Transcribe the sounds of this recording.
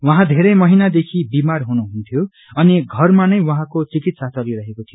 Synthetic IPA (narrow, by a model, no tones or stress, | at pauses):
wʌɦãd̪ʱeɾʌjmʌɦinad̪ekʰibimarɦunuɦunt̪ʰjo | ʌniɡʱʌrmanʌjwʌɦãkot͡sikit̪sat͡sʌliɾʌɦekot̪ʰijo